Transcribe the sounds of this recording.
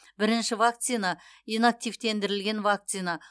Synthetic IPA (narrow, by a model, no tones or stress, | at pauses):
bɪɾɪnʃɪvak̚t̪sijnainak̚t̪ijvt̪e̞nd̪ɪɾɪlɡʲe̞nvak̚t̪sijna